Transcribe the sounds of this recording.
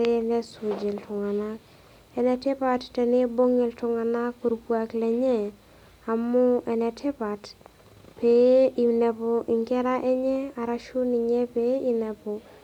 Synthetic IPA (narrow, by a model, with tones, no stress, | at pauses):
e˦nɛ˦so˨d͡ʒe˨ltʰʊ˨ŋa˨na˦k | ɛ˨nɛ˨tɪ˦pa˨ttɛ˨ne˦bo˦ŋe˨ltʊ˨ŋa˨na˦kːo˨ɾupwa˨klɛ˨ɲɛ˦ | a˨mʊ˦ʔɛ˨nɛ˨tʰɪ˦pa˨t | pe˨˦i˨nɛ˨pɔ˨ʔɪ˨ŋkɛ˦ɾa˦ʔɛ˦ɲɛ˦a˨ɾa˦ʃu˦ni˨ɲɛ˦pe˦i˨nɛ˨pɔ˨